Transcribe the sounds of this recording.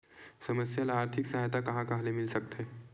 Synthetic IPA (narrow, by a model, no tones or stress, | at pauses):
sɐməsjalaːɾt̪ʰɪksɐɦajt̪akɐɦãkɐɦlemɪlsɐk̚t̪ɦeː